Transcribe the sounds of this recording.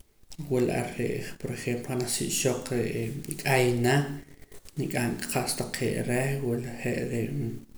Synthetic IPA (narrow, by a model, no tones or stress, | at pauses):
wulʔa̰ɾḛʔpoɾexemploanasḭʔʃoq͡χɾeʔikʼajna | nikʼaŋkʼqaʔst̪aq͡χʰeʔɾehwulχeʔɾe